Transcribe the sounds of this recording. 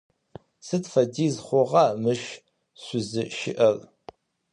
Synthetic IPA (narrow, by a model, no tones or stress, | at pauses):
sɨtfɐdiːzχʷɔʁɑmɨʃ | sʷʊzɨʃɪ̰ʔɐr